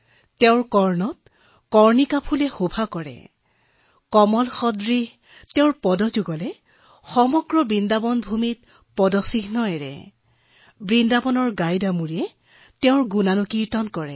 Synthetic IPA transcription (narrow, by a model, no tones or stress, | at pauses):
tɛʊ̃ɹkɔɹnɔt̚ | kɔɹnikapʰulɛxobʱakɔɹɛ̰ | kɔmɔlxɔdɹi | tɛʊ̃ɹpɔdɔzuɡɔlɛ | xɔmɔɡɹɔbɹindabɔnbʱumit̚ | pɔdɔsiɡnɔɛɹɛ̰ | bɹindabɔnɔɹɡajdamuɹiɛ | tɛʊ̃ɹɡunanukiɹtɔnkɔɹɛ̰